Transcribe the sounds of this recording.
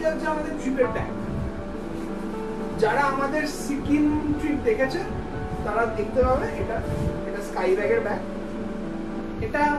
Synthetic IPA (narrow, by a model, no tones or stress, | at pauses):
ad͡ʑaamad̪eɾt͡ɕipeɾʈɛ̰k | d͡ʑaɾaamad̪eɾsikinʈɾiʈ̚d̪ekʰet͡ɕʰe | t̪aɾad̪ʱek̚t̪ebʱabeeʈaeʈaskajbɛɡeɾbɛk̚ | eʈa